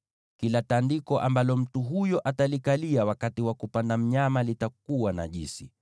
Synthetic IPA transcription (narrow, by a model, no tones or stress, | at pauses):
kilatandikɔʔambalɔm̩tuɦujɔʔatalikaliawakatiwakupandam̩ɲamalitak̚uwana̰ʄḭsi